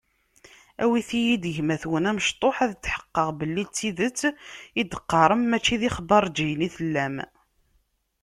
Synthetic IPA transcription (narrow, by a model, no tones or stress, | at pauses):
æwiθijid̪ʝmæθwənæməʃt̪ˤoħæðət͡sːħə̥qːəʁbəlːit͡sːiðət͡sːid̪əqːɑɾˤəmːæt͡ʃːiðiχəbɑɾˤd͡ʒijniθəlːæm